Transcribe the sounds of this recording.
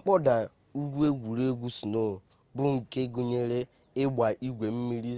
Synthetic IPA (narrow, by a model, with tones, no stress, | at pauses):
ŋ͡m̩˦k͡pɔ˦da˨ | u˦ɡʷu˦e˦ɡʷu˨ɾe˦ɡʷu˦su˨no˦˨ | bʊ˦ŋ̩˨ke˦ɡu˦ɲe˦ɾe˦ | e˦ɡ͡bʷa˨ʔi˦ɡʷe˨m̩˦mi˦ɾi˦